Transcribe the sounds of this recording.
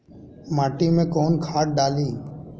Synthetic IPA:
maːʈiːmẽːkɔːnkʰaːʈ̚ɖaːliː

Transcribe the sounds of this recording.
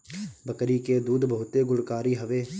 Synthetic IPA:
bəkɾiked̪uːd̪bəɦʊt̪eɡʊɽkaːɾiːɦəʋeː

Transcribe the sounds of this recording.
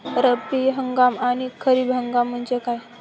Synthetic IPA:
ɾəpiɦəŋɡamañikʰəɾiːbɦəŋɡam̤ːəɳd͡ʑekaj

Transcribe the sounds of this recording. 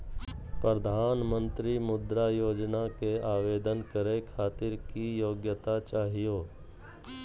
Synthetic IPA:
pɾəd̪ʱaːnmə̃nt̪ɾimʊd̪ɾajoːd͡ʒnakeaːʋeːd̪ənkəɾekʰaːt̪ɪɾkijoːɡjət̪at͡ʃaːɦijoː

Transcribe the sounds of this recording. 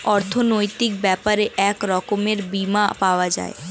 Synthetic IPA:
ɔɾt̪ʰonojt̪ik̚bɛpaɾeʔɛkɾɔkomeɾbimapaoad͡ʑa̰e

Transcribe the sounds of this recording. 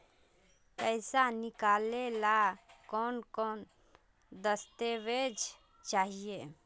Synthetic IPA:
pəɪsanikalelakɔnkɔn | d̪əst̪ebed͡ʒ | t͡ʃaɦije

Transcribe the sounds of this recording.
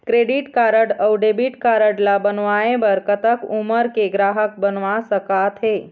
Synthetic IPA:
kɾeɖiʈkaɾəɖəwɖebiʈkaɾəɖlabənʋaẽbəɾkət̪əkuməɾkeɡɾaɦək̚bənʋasəkat̪ʰɦe

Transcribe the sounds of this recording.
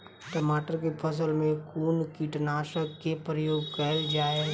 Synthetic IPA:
ʈəmaːʈəɾkepʰəs̬əlmẽkoːnkiʈnaːʃəkkepɾəjoːɡkəɪld͡ʒaːe

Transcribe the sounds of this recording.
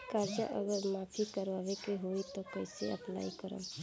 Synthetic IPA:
kaːɾd͡ʒə̰ʔəɡəɾmaːpʰikəɾʋaːʋekeɦoːit̪okəɪseə̰pla̰ːikəɾã̰ː

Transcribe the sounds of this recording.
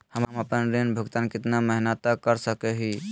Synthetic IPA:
həmməpənɾenbʱəɡt̪ankɪt̪naməɦnət̪akəɾsəkeɦi

